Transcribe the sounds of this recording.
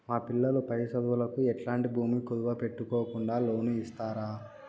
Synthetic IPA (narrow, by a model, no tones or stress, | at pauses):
maːpilːɐlupɐjsɐd̪ʋulɐkuɛʈlaːɳʈibʱuːmikud̪uʋɐpe̞ʈːukoːkuɳɖaːlo̞ːnuist̪aːɾaː